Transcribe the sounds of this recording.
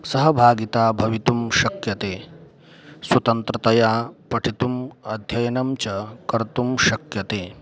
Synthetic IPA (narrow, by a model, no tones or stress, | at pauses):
sɐɦɐbʱaːɡit̪aːbʱɐʋit̪umʃɐkjɐt̪eː | swɐt̪ɐnt̪ɾɐt̪ɐjaːpɐʈʰit̪umɐd̪ʱjɐjɐnɐmt͡ʃɐkɐɾt̪umʃɐkjɐt̪eː